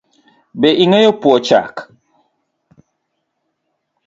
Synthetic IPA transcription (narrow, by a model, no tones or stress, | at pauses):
bɛʔiŋɛjɔpuɔt͡ʃa̰k